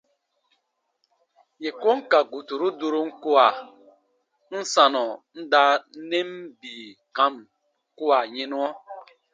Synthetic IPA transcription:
je˨ko˦ŋ̩˦ka˨ɡu˨tu˨ɾu˦du˦ɾu˦ŋ̩˦ku˦a˨ | n̩˦sa˨nɔ˨n̩˦da˦ne˦m̩˦biː˨ka˦m̩˨ | ku˦a˨ɲe˦nu˦ɔ˦

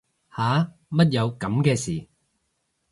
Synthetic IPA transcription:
haː˨˥˦ | mɐ˥t̬̚jɐ˨˧wkɐ˨˧mkɛː˧siː˨˩

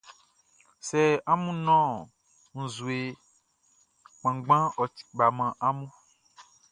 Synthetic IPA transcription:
sɛ˨a˦mũ˦nɔ̃˦ | ŋ̩̃˨zu˨e˨ | k͡pã˨ɡ͡bã˦ɔ˨t̪i̥˨ɡ͡ba˨mã˨ʔa˦mũ˦

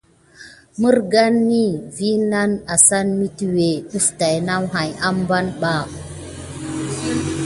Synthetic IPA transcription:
mu˦ɾɡa˦nːi˦vi˦na˦na˨sa˦nmi˦ti˦we˨ɗu˦fta˨jna˦wɦa˨ja˦mba˦nɓa˦˨

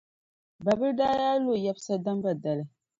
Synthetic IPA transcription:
ba˨bɨ˦ɾdaː˦jaː˦lo˦˨ja˦bsa˦da˦mba˨da˨lɨ˨

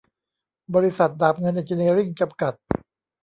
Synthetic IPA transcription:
bɔː˧ɾi˦˥sa˨˩t̪̚daː˨˩p̚ŋɤ˧nʔa˨˩t͡ɕi˧neː˧ɾi˥˩ŋt͡ɕa˧mka˨˩t̪̚

